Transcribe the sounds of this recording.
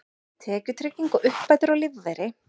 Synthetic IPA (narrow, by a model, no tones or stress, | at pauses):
t̪ʰɛːcʏ̥t̪ʰɾɪcːiŋkʊʔʏhpːajt̪ʏɾawlɪvːɛjɾɪ